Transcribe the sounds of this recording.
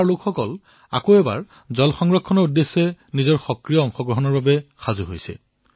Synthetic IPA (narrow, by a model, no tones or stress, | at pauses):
aɹlʊkxɔkɔl | a̰koɛba̰ɹ | zɔlxɔŋɹɔkʰːɔnɔɹudːesːɛnizɔɹxɔkɹijɔɔŋxɔɡɹɔɦɔnɔɹbabɛxazuɦojsɛ̰